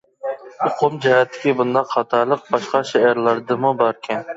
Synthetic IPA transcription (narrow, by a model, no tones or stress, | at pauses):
ʊqʰʊmd͡ʒɛɦɛt̪ʰːɪ̥kʲibund̪ɑqʰːɑt̪ʰɑɾlˠəq̚bɑʃqɑʃɛæɾlˠɑɾd̪ɨmubɑɾkʲʰɛn